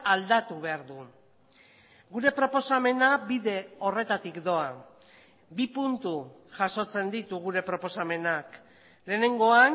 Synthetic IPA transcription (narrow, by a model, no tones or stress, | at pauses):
ald̪at̪uβ̞e̞aɾðu | ɡuɾe̞pɾo̞po̞same̞nabiðe̞o̞re̞t̪at̪ikd̪o̞a | bipunt̪u | ʝaso̞t͡se̞nd̪it̪uɣ̞uɾe̞pɾo̞po̞same̞nak | le̞ːne̞ŋɡo̞an